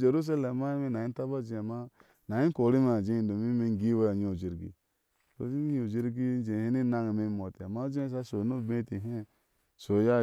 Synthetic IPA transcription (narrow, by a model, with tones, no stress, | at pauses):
d͡ʒe˨ɾu˦s̬a˦le˨ma˦i˦me˦na˨i˦ta˦ba˦d͡ʒi˦a˨ma˦ | na˨ji˦ko˨˦ɾi˦ma˨d͡ʒe˦˨do˨mi˦me˦ŋ˦ɡi˦we˦a˨ɲ˦˨o˨d͡ʒi˦ɾɡḭ˨ | ko̰˦i˦ɲ˦o˨d͡ʒi˦ɾɡi˦n˦d͡ʒe˨he˦ni˦na˦ŋi˨me˦mo˨ti˨a˨ma˦d͡ʒe˦s̬a˦so˨no˦˨be˦ti˨ɦe˦˨ | so˨˦ja˦